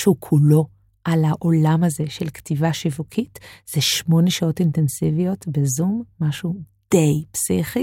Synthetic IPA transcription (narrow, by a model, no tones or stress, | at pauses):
ʃukʰulo̞ | ʔalaʔo̞lamaze̞ʃelktivaʃivukʰitz̥eʃmo̞neʃao̞tintensivijo̞tbezumːaʃud̥e̞jpsiχi